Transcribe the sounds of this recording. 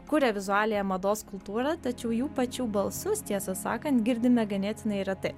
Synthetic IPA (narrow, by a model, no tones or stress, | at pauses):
kʊɾʲɛʋʲɪzʊɑːlʲejɛmɐd̪oːskʊlˠt̪uːɾɐt̪ɐt͡ʃʲɛʊjuːpɐt͡ʃʲuːbɐlˠsʊst̪ʲiɛsɐsɑ̰ːkɐnt̪ɡʲɪɾʲd̪ʲɪmʲɛɡʲɛnʲeːt̪ʲɪnɐɪɾɐt̪ɐ